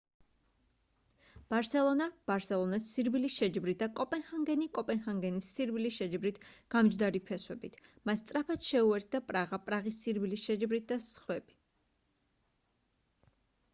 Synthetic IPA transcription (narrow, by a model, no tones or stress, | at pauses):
b̥aɾsɛlˠɔnab̥aɾsɛlˠɔnasːiɾbilisʃɛd͡ʒbɾit̪̚d̪akʼɔpʼɛnχaŋɡɛnikʼɔpʼɛnχaŋɡɛnisːiɾbilisʃɛd͡ʒbɾit̪ʰɡ̥amd͡ʒd̪aɾipʰɛswɛbit̪ʰmast̪sʼɾapʰat̪ʃɛuɛɾt̪ʰd̪apʼɾaʁapʼɾaʁisːiɾbilisʃɛd͡ʒbɾit̪̚d̪asχwɛb̥i̥